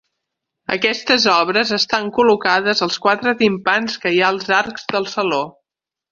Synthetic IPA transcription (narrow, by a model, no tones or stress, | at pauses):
ə̰kɛst̪əzɔβ̞ɾəzəst̪aŋkulukaðəzəlˠskwat̪ɾət̪impanskəjaəlˠzaɾkz̥ðəlˠsəlo